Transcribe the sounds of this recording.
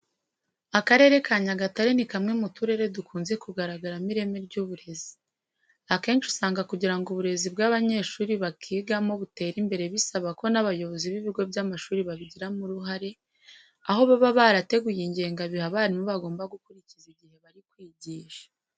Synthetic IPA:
akaɾe̞ɾe̞kaːɲaɡataɾenikamŋe̞mutuɾe̞ɾe̞dukʰuːnze̞kuɡaɾaɡaɾamiɾe̞meɾɟuːβuɾe̞zi̥ | ake̞ːnt͡ʃu̥saːŋɡakuɟiɾaŋɡuβuɾe̞zibɡaβaɲe̞ːʃuːɾiβakʰiːɡamo̞βute̞ːɾimbe̞ɾe̞βisaβako̞naβajo̞βo̞ziβiβiɡo̞bɟamaʃuːɾiβaβiɟiɾamuɾuɦaɾe̞ | aho̞βaβaβaɾate̞ɡujiɲɟe̞ːŋɡaβihaβaːɾimuβaɡo̞ːmbaɡukuɾiciziɟihe̞βaɾikwiːɟiːʃḁ

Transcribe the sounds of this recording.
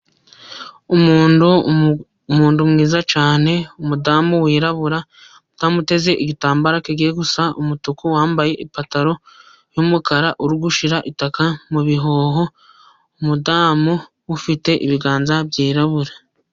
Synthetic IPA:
umuːnu | muːndumŋiːzat͡ʃaːne̞umudaːmuwiːɾaβuɾa | utamute̞ze̞ʔiɡitaːmbaɾakeɡieɡusaumutukuwaːmbaje̞ʔipataɾo̞ | jumukaɾaʔuɾuɡuʃiɾaʔitakamuβiɦo̞ːɦo̞ | umudaːmu | wufite̞ʔiβiɡaːnzabjiːɾaβuɾa

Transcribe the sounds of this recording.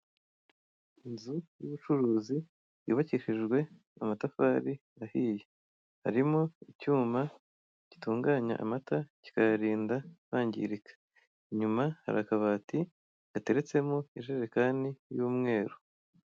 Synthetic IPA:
inzujuβut͡ʃuɾuːzi | jṵːβaciʃiʒɡwe̞ | a̰matafaːɾi | ahije | ha̰ɾimoicuːma | ci̥tuːŋɡaːɲa̰ʔa̰mataci̥kajaɾiːndaβaːɲɟḭɾikḁ | iɲumaha̰ɾakaβati | ate̞ɾe̞t͡se̞moiʒeɾekanijuːmŋe̞ːɾo

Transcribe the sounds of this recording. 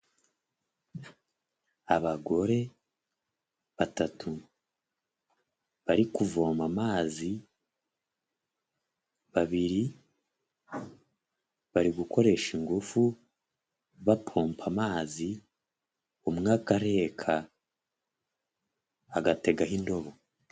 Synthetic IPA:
aβaɡo̞ɾe̞ | βatatʰu | βaɾikuvo̞ːmamaːzi | βaβiɾi | βaɾiɡukʰo̞ɾe̞ʃiŋɡufu | βapʰo̞ːmpʰamaːzi | umŋaːkaɾe̞ːkʰa | aɡate̞ɡaɦindo̞βo

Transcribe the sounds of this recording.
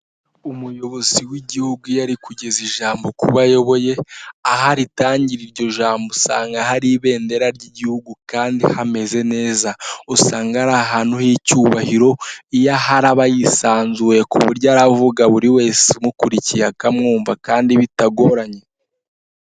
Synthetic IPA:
umujo̞βo̞ziwiɟihuɡujaɾikuɟe̞ziʒaːmbo̞kuβajo̞βo̞je̞aɦaɾitaːɲɟiɾiɾɟo̞ʒaːmbosa̰ːŋɡahaɾiβe̞ːnde̞ɾaɾɟiɟihuɡukaːndihame̞ze̞ne̞ːzausaːŋɡaɾaɦaːn̥huhicuːβahiɾo̞ijahaɾaβajisaːnzuwe̞kṵβuɾɟaɾavuɡaβuɾiwe̞ːsemukuɾicijakamŋuːɱvakaːndiβitaɡo̞ɾaɲe̞

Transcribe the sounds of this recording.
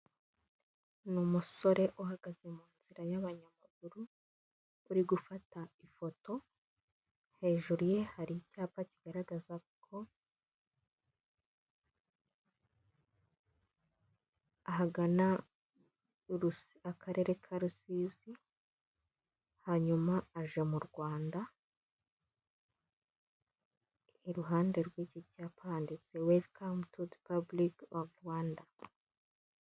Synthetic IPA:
numuso̞ɾe̞ʔoɦaɡ̥aze̞muːnz̥iɾajaβaɲamaɡuɾuː | ɾiɡufataifo̞to̞ | he̞ːʒuɾuje̞haɾicaːpaciɡ̥aɾaɡazakʰo̞ | aɦaɡana | ɾusakʰaɾʔe̞ɾe̞kʰaɾusiːzi | haɲumaːʒe̞muɾɡwaːnda | iɾuɦaːnde̞ɾɡwecicapʰaːndit͡sewelkʰamtudpablikavwaːnda

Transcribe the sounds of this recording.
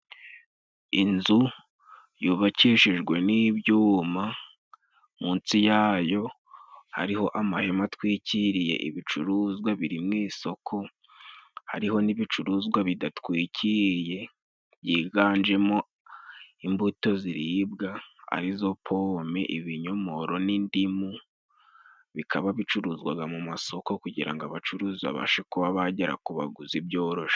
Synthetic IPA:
inzu | juːβaciʃiʒɡwe̞niβjuːma | muːnt͡sijaːjo̞ | ha̰ɾiho̞ʔamahe̞matwiːciɾije̞̰ʔḭβit͡ʃṵɾuzɡwaβiɾimŋiːso̞kʰo̞ | ha̰ɾiho̞niβit͡ʃuɾuːzɡwaβidatwiːcʰiɾje̞ | βjiːɡaːnd͡ʒe̞mo̞ | imbuto̞ziɾibɡaa̰ɾizo̞pʰomeʔiβiɲo̞mo̞ɾo̞nindimu | βikʰaβaβit͡ʃuɾuːzɡwaɡamumaso̞ko̞kuɟiɾa̰ŋɡaβat͡ʃuɾuːza̰βa̰ʃekuβaβaɟeɾa̰kuβa̰ɡuzibjo̞ːɾo̞ʃḁ

